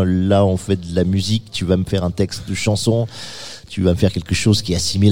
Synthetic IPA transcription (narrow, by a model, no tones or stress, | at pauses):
laɔ̃fɛd̪əlamyzikt̪yvaməfɛʁɛ̃t̪ɛkst̪̚d̪əʃɑ̃sɔ̃ | t̪yvaməfɛʁkʲɛlkəʃozkʲiɛasimil